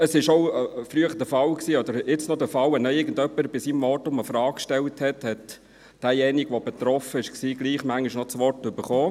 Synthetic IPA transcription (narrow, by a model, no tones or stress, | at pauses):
əsɪʃoʊflyəχəd̥əfɑlksiːɔd̪əɾɪt͡snɔd̪əfɑlɛnɛɪɾɡən̩d̪œpːəɾb̥ɪsiːmvɔɾtʊməfɾɑːkkʃtɛlthɛthɛt | d̥æːjɛniɡʋɔbɛt̪ɾɔfəɪʃksiːɡliːχmæŋːiʃnɔt͡sʋɔrtʏbəɾχɔː